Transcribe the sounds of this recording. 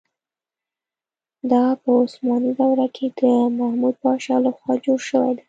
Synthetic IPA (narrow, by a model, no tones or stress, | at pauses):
d̪ɑpəʊsmɑnidawɾakʰed̪̥əmahmud̪̚bɑʃɑlaxwɑd͡ʒoɽʃəwa̰jd̪a